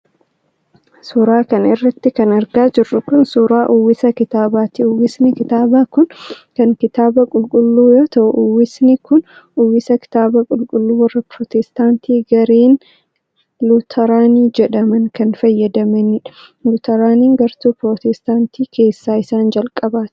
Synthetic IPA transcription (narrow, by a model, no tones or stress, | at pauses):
suɾaːkɐnɪrːɐt̪ːɪkɐnɐɾɡaːd͡ʒɪrːʊkʊnsuɾaːʔʊwːɪsɐkɪt̪aːbaːt̪ɪʊwːɪsnɪkɪt̪aːbaːkʊnkɐŋkɪt̪aːbɐkʼʊlkʼʊlːuːjoːt̪ɐʔʊʔʊwːɪsnɪkʊn | ʊwːɪsɐkɪ̥t̪aːbɐkʼʊlkʼʊlːuːwɐrːɐpɾɔːt̪ɛst̪aːnt̪ʰiːɡɐɾeːn | lʊt̪ʰɐɾaːniːd͡ʒɛᶑɐmɐŋkɐnfɐjːɐd̪ɐmɐnɪᶑɐ̥ | lʊt̪ɐɾaːniːŋɡɐɾt̪uːpɾot̪ɛst̪aːnt̪iːkʰe̞ːsːaːɪsaːnd͡ʒɐlkʼɐbaːt̪